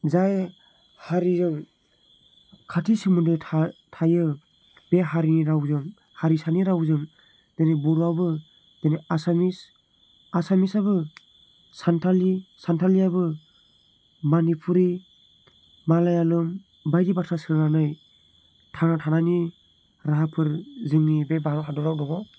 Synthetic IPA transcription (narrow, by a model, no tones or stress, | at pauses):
zaj | haɾizɯŋ | kʰatʰisimundɯtʰtʰajɯ | b̥eɦaɾiniɾawzɯŋ | haɾisaniɾawzɯŋ | d̥enajbɔɾuabɯ | d̥enaasamis | asamisabɯ | santʰalisantʰalijabɯ | manipʰuɾi | malajalɯm | bajdibasʰasɯɾnanɯj | tʰanatʰanani | ɾaɦapʰɯɾzɯŋnibebaɔhadɔɾawdɔɡɔ